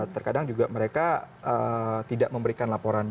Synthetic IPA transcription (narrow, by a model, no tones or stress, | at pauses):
t̪ərkadaŋd͡ʒuɡaməɾeka | ət̪idaʔməmbəɾikanlapoɾan